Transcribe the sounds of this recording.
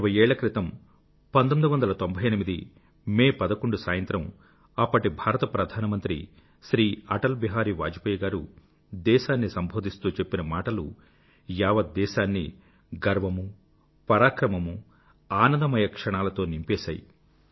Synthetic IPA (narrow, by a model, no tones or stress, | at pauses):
ʋɐjɛːɭɐkɾit̪ɐm | pɐnd̪omid̪uʋɐnd̪ɐlɐt̪o̞mbʱɐjɐnimid̪i | meːpɐd̪ɐkoɳɖusaːjɐnt̪ɾɐm | ɐpːɐʈibʱaːɾɐt̪ɐpɾɐd̪ʱaːnɐmɐnt̪ɾḭ | ʃɾiːɐʈɐlbiɦaːɾiːʋa̰ːd͡ʒipɐjɐɡaːɾu | d̪ɛːʃaːnːisɐmbʱo̞ːd̪ʱist̪uːt͡ʃe̞pːinɐmaːʈɐlu | jaːʋɐd̪̚ːɛːʃaːnːḭ | ɡɐɾʋɐmu | pɐɾaːkɾɐmɐmu | aːnɐnd̪ɐmɐjɐkʂɐɳaːlɐt̪o̞ːnimpɛːʃa̰ːji